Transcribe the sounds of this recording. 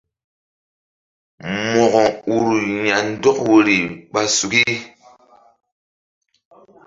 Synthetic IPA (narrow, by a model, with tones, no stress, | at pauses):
mɔ˨ɣɔ˨u˨ɾu˨ɲa˨n˦dɔ˦kwo˨ɾi˨ɓa˨su˨ki˦